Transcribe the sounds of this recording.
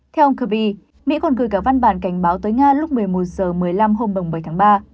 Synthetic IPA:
t̪ʰɛ˧wʔə˧ŋ͡mkəː˧˩ɓi˧ | mḭ˧˥kɔ˨˩nɣɨ˨˩jkaː˧˩va˧nɓaː˧˩nka˧˩jŋ̟ɓaː˨˦wt̪əː˨˦jŋaː˧lʊ˦˥k͡p̚mɨ˨˩əjmo˨˩t̚z̥əː˨˩mɨ˨˩əjla˧mɦo˧mɗə˨˩wŋ͡mɓəː˨˩jt̪ʰaː˨˦ɓaː˧

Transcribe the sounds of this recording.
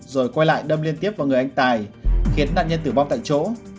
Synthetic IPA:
zo˨˩jkwa˧jla̰ː˧˨jɗə˧mli˧ənt̪i˦˥əp̚vaː˨˩wŋɨ˨əjʔjŋ̟t̪aː˨˩jxi˨˦ənːa̰ː˧˨nɲə˧nt̪ɨ˧˩va˧ŋ͡mt̪a̰ː˧˨jt͡ɕo̰˧˥

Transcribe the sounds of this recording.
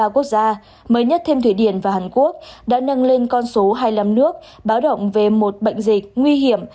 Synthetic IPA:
ku˦˥ək̚zaː˧ | məː˨˦jɲə˦˥t̚t̪ʰe˧mt̪ʰi˧˩ɗi˧˩ənvaː˨˩haː˨˩nku˦˥ək̚ɗa̰ː˧˥nə˧nle˧nkɔ˧nso˨˦ɦaː˧jla˧mnɨ˦˥ək̚ | ɓaː˨˦wɗə̰˧˨wŋ͡mve˨˩mo˨˩t̚ɓə̰˧˨jŋ̟zï˨˩k̟̚ŋwi˧ɦi˨˧˩əm

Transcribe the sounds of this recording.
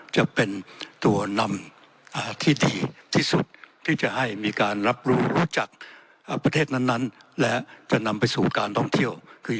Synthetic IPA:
t͡ɕa˨˩pe˧nt̪u˧ɐna˧m | ʔaː˨˩t̪ʰiː˥˩diː˧t̪ʰiː˥˩su˨˩t̪̚t̪ʰːiː˥˩t͡ɕa˨˩ha˥˩jmiː˧kaː˧nɾa˦˥p̚ɾuː˦˥ɾuː˦˥t͡ɕa˨˩k̚ː | pɾa˧t̪ʰeː˥˩t̪̚na˥˩nːa˦˥nlɛ˦˥t͡ɕa˨˩na˧mpa˧jsuː˨˩kaː˧nt̪ʰɔ˥˩ŋt̪ʰi˥˩əwkʰɯː˧

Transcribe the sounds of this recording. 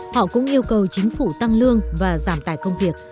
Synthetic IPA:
hɔ̰˧˨kʊ̰˧˥ŋ͡mʔi˧əwkə˨˩wt͡ɕï˨˦ŋ̟fu˧˩t̪a˧ŋlɨ˧əŋvaː˨˩zaː˧˩mt̪aː˧˩jkə˧wŋ͡mvi˨˩ək̚

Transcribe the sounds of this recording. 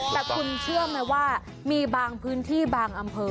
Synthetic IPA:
t̪ɛ˨˩kʰu˧nt͡ɕʰɯ˥˩əma˧˩jwaː˥˩ | miː˧baː˧ŋpʰɯː˦˥nt̪ʰiː˥˩baː˧ŋʔa˧mpʰɤː˧

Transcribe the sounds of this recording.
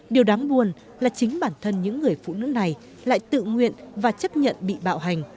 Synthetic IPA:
ɗi˨˩əwɗaː˨˦ŋɓu˨˩ən | laː˨˩t͡ɕï˨˦ŋ̟ɓaː˧˩nt̪ʰə˧nɲɨ̰˧˥ŋːɨ˨˩əjfṵ˧˨nɨ̰˧˥na˨˩j | la̰ː˧˨jt̪ɨ̰˧˨ŋwḭ˧˨ənvaː˨˩t͡ɕə˦˥p̚ɲə̰˧˨nɓḭ˧˨ɓa̰ː˧˨wɦa˨˩jŋ̟

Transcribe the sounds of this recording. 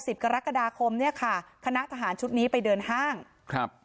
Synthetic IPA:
si˨˩p̚ka˧ɾa˦˥ka˧daː˧kʰo˧mni˥˩ɐkʰa˥˩kʰa˧na˦˥ʔt̪ʰa˧ɦaː˩˦nt͡ɕʰu˦˥t̪̚niː˦˥pa˧jdɤː˧nhaː˥˩ŋ | kʰa˦˧˩p̚

